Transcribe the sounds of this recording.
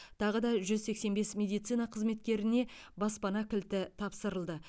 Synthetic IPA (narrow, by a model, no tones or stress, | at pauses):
t̪ʰɑʁəd̪ɑʒʏzse̞kse̞nbe̞smʲe̞d̪ijt̪sɨjnɑqʰəzme̞t̪kʲe̞ɾɪne̞bɑspɑnɑkʲʰɪlt̪ɪt̪ʰɑpsəɾəlˠd̪ə